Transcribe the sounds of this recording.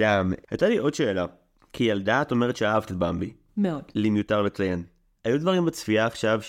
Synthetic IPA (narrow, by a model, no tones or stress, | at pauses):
d̥amhajtaliʔo̞dʃeːla | kʰijaldaːto̞meʁet̪ʃeaɦavtetbambi | meod̥limjotaʁlet͡sajen | hajud̪vaʁimbet͡sfiaːχʃav